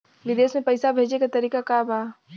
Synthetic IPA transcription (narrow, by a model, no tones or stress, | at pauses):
ʋɪd̪eːsmẽpɐɪsabʱeːd͡ʒekat̪ɐɾiːkakaːbaː